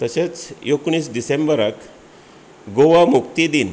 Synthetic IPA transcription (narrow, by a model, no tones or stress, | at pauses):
t̪əɕet͡sjokɳ̃iːsɖisembəɾək | ɡoʋamukt̪id̪in